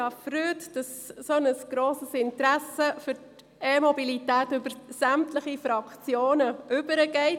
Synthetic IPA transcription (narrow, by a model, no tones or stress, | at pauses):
ɑfɾyːtd̥ɑssonəsɡ̥ɾoːsəsɪntɾæsəfʏɾt | eːmɔbilitæːtʏbəɾsæmtləχifɾɑkt͡sjoːnəʔʉbəɾəɡ̥ɛɪt